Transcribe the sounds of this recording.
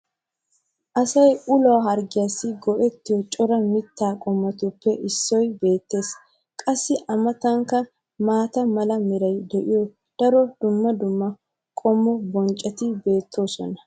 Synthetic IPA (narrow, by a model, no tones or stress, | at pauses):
ʔɐsɐjʊlɐwɦɐɾɡɪjɐsːɪɡɔʔɛt̪ːɪjɔt͡ʃʼɔɾɐmɪt̪ːaːkʼɔmːɐt̪ʊpːɛʔɪsːɔjbe̞ːt̪ːe̞ːs | kʼɐsːɪʔɐmɐt̪ɐŋkːɐ | maːt̪ɐmɐlɐmɪɾɐjd̪ɛʔɪjɔ | d̪̥ɐɾɔd̪̥ʊmːɐd̪ʊmːɐ | kʼɔmːɔbɔnt͡ʃʼːɐt̪ɪbe̞ːt̪ʰːo̞ːsɔ̰nɐ